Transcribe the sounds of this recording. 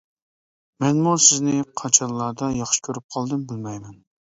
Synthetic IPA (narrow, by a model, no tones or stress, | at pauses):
mɛnmusɪznɪqʰɑt͡ʃʰɑnlˠɑːd̪ɑjɑχʃi̥kʲʰøɾyp̚qʰɑlˠd̪ɨmbɪlmɛjmɛn